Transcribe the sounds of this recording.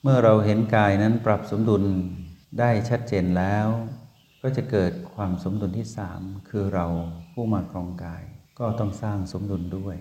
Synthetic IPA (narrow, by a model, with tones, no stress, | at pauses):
mɯ˥˩ɐɾa˧wɦe˩˦nkaː˧jna˦˥npɾa˨˩p̚so˩˦mdu˧ndaː˥˩jt͡ɕʰa˦˥t̪̚t͡ɕeː˧nlɛː˦˥w | kɔː˥˩t͡ɕa˨˩kɤː˨˩t̪̚kʰwaː˧mso˩˦mdu˧nt̪ʰiː˥˩saː˩˦mkʰɯː˧ɾa˧wpʰuː˥˩maː˧˩kʰɾɔː˧ŋkaː˧jkɔː˥˩t̪ɔ˥˩ŋsaː˥˩ŋso˩˦mdu˧ndu˥˩əj